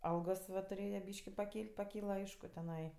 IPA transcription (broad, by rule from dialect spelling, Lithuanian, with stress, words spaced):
ˈɐlˠɡoːs ˈʋɐ tʊˈrʲeːjɛ ˈbʲiːʃʲkʲɪ pɐˈkʲiːlʲtʲ pɐˈkʲiːlˠɐ ˈɐɪʃkʊ tʲɛˈnɐɪ